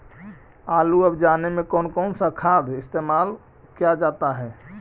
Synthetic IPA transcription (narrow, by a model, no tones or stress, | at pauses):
aluəbd͡ʒanemekɔːnkɔːnsakʰad̪ʱɪst̪emal | kijad͡ʒat̪aɦɛ